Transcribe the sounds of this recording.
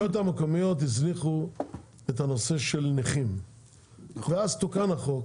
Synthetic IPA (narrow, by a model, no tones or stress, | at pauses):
ot̪hamekomijot̪izniχu | et̪hanoseʃelniχim | veazt̪ukanaχok